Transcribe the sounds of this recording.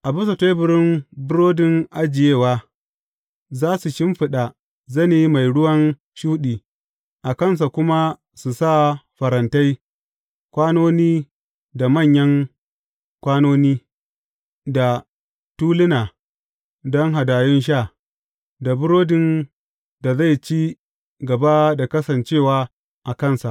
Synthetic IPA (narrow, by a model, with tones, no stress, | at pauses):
ʔa˨bʊ˦su˨ta˦bʊ˦ɾɪ˦mbʊ˦ɾoː˦dɪ˦ŋʔa˦d͡ʒɪ˨jeː˦˨waː˦ | zaː˦su˨ʃɪ˦mɸɪ˨ɗa˨ | zɐ˦ni˦˨˦ma˨jɽʊ˦wɐ˦n | ʃuː˦ɗiː˨ | ʔa˨kɐ˦ns̬a˨kʷʊ˦ma˦ | su˨sa˦˨ɸɐ˨ɾɐ˨nta˦j | kʷaː˦noː˦niː˦ | da˨mɐ˦˨ɲjɐ˦ŋ | kʷaː˦noː˦niː˦ | da˨ | tuː˦lɪ˦naː˨ | dɔ˦ŋɦa˨daː˨jɪ˦nʃ̬aː˦˨ | da˨bʊ˦ɾoː˦dɪ˨n | da˨za˦˨jt͡ʃiː˦ | ɡɐ˨ba˦da˨kɐ˦sɐ˨nt͡ʃeː˦˨waː˦ | ʔa˨kɐ˦˨nsa˨ʔ